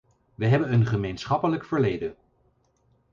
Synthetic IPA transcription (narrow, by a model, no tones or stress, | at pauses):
ʋəɦɛbənənχəmejnsχɑpələkfəɹlejdən